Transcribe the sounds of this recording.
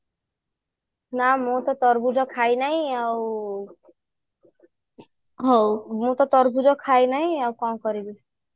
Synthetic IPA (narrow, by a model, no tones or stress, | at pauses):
namũt̪ɔt̪ɔɾbud͡zɔkʰajnaɦĩaw | ɦowmũt̪ɔt̪ɔɾbud͡zɔkʰajnaĩawkaw̃kɔɾibi